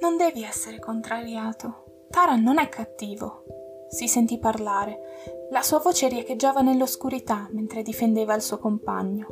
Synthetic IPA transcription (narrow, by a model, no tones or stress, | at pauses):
nond̪ɛːviɛsːeɾekont̪ɾaɾjaːt̪o | t̪aːɾanːonɛkʰːat̪ːiːvo̰ | sisent̪ipːarlaːɾelasuːavoːt͡ʃeɾjaked͡ʒːaːvanelːoskuɾit̪amːent̪ɾed̪ifend̪eːvailsuokompa̰ɲːo